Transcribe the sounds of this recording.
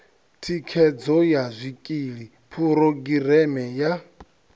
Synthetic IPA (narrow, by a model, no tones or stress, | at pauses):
tʰikʰɛd͡zɔjazʷikʼiɺi | pʰuɾoɡiɾɛmɛja